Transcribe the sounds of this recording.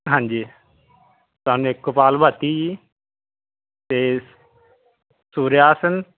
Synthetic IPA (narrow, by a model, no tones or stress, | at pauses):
ɦãːɲʲd͡ʒiː | t̪aːnũekːʊpaːlbʱat̪iːji | t̪eː | suːɾeaːsən